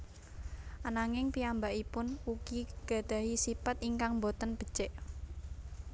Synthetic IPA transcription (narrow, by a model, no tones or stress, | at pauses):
ʔanaŋɪŋpiambaʔipʊnukiɡ̥a̤d̪̥a̤ɦisipat̪iŋkaŋmbot̪ənb̥ə̤̥t͡ʃeʔ